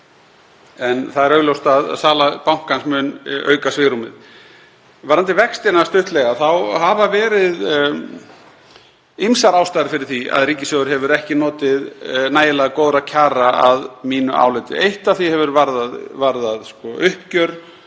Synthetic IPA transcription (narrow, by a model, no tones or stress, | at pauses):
ɛnθaðɛɾœɥɣlowst̪aðsaːlapawŋ̥kansmʏnœ̰ːɥkasvɪːɾumɪ̰ð | vaɾant̪ɪvɛkst̪ɪnast̪ʏht̪lɛɣaθawhavavɛːɾɪð | imsaɾaːwst̪ajɾfɪɾɪɾ̥θia̰ðɾiːcɪsœɣʏɾ̥ɦɛvʏɾɛhcɪnɔːt̪ɪðnaːjɪlaɣakoːwðɾacʰaːɾaa̰ðmiːnʏ̰ʔa̰wlɛt̪ɪ̰ejht̪aðθiɛvʏɾvaɾðaðvaɾðaðskɔʔʏhpcœɾ